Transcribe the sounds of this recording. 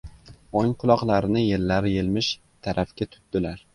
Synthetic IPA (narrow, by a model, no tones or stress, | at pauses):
oŋqʰʊlˠɒqlˠaɾɪnɪjelːaɾjelmɪʃ | t̪ʰaɾʔafkʲat̪ʰʊ̥t̪d̪̥ɪlaɾ